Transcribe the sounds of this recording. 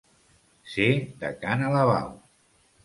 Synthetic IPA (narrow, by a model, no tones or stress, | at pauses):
sed̪ə̰kanalaβa̰w